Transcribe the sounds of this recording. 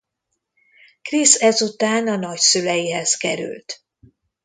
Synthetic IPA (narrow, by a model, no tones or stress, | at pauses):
krisɛzut̪aːnɒnɒcsylɛjiɦɛzkɛɾy̰lt̪